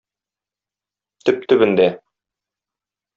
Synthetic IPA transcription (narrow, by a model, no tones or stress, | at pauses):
t̪ɵp̚t̪ɵ̆bɘ̆nd̪æ